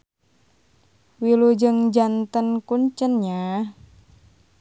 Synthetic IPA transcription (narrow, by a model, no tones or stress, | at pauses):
wilud͡ʒəŋd͡ʒant̪ənkuɲt͡ʃənɲa